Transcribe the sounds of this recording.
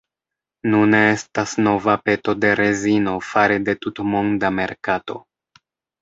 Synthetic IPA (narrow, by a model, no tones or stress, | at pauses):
nune̞estasno̞vape̞to̞de̞ɾezino̞faɾede̞tutmo̞ŋdame̞ɾkato̞̰